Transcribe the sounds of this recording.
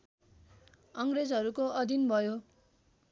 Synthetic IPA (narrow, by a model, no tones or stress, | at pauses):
ʌŋɡred͡zɦʌɾukoʌd̪ʱinbʱʌjo